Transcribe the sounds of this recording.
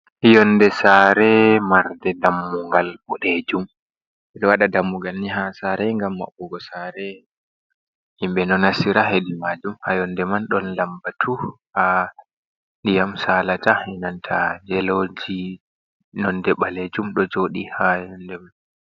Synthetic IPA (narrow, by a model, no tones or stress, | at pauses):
jɔndɛsaːɾɛmaɾdɛdamːuŋɡalbɔɗed͡ʒum | ɛɗɔwaɗadamːuŋɡalniɦasaɾɛŋɡamːa̰ɓɔɡɔsaɾɛ | himɓɛnɔnasiɾaɦedimad͡ʒumhajɔndɛmanɗɔnlambatʰuha | nndijamsaːlatahɛnantʰad͡ʒɛlod͡ʒi | nɔndɛɓaled͡ʒumɗɔd͡ʒoːɗihajɔndɛman